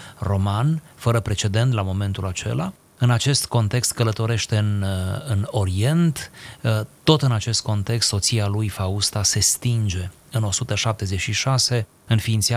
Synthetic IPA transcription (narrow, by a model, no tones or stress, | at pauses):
ro̞manfəɾəpɾe̞t͡ʃe̞d̪e̞nt̪lamo̞me̞nt̪ulat͡ʃe̞̰la̰ | ɨnat͡ʃe̞st̪ko̞nt̪e̞kst̪kələt̪o̞ɾe̞ʃt̪e̞ɨnɨno̞ɾie̞nt̪ | t̪o̞t̪ɨnat͡ʃe̞st̪̚ko̞nt̪e̞kst̪so̞t̪sialujfaust̪ase̞st̪ind͡ʒe̞ | ɨno̞sut̪əʃap̚t̪e̞ze̞t͡ʃʃiʃase̞ | ɨnfiːnt̪sia